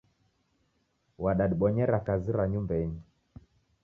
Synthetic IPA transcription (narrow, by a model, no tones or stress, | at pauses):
waɗaɗiɓɔɲɛɾakaziɾaɲumbɛɲi